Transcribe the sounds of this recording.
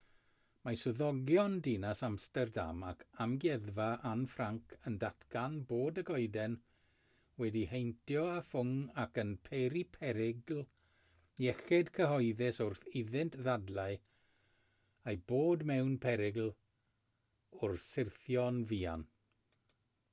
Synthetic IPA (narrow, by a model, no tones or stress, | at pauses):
masʊðɔɡjɔndinasamstɛrda̰makʰamɡjɛðvaʔanfraŋkʰəndatʰkanboːdəɡɔɨdɛn | wɛdihejntʰjɔafʊŋakənpʰeɾipʰɛɾɪɡlˠ | jɛɬɛdkʰəɦɔjðɪsʊrθɪðɪntʰðadlˠaɨ | ajboːdmɛwnpʰɛɾɪɡlˠ | ʊrsɪrθjɔnviːa̰n